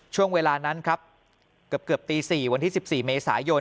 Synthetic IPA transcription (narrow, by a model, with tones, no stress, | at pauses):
t͡ɕʰu˥˩əŋweː˧laː˧na˦˥nkʰɾa˦˥p̚ | kɯ˨˩p̚kɯ˨˩əp̚t̪iː˧siː˨˩wa˧nt̪ʰiː˥˩si˨˩p̚siː˨˩meː˧sa̰ː˩˦jo˧